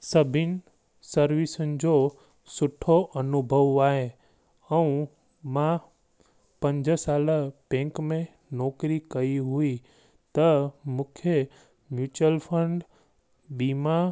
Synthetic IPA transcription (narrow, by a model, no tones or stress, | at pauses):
səbʱɪn | səɾʋisənd͡ʒo | sʊʈʰːoʔənubʱəʋaɦe | əũ | mã | pə̃ɲd͡ʒəsaləpẽŋkmẽ | nɔkɾikəiɦui | t̪əmʊkʰjə | mjut͡ʃəlpʰəɳɖ | biːma